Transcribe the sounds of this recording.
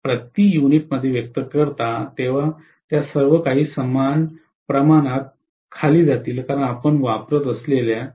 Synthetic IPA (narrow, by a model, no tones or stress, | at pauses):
pɾət̪iːjuniʈ̚məd̪ʱːjeʋjək̚t̪əkəɾt̪at̪eʋ̤a | t̪jasəɾʋəkaɦiːsəmːan | pɾəmanat̪̚ | kʰaliːd͡zat̪iːlkaɾəɳapəɳʋapɾət̪əslelja